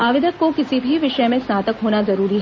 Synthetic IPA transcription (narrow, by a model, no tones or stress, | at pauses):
aːʋɪd̪ʱəkːokɪsibʱiʋɪʃəmẽsnaːt̪əkɦoːnazɐɾuːɾiɦ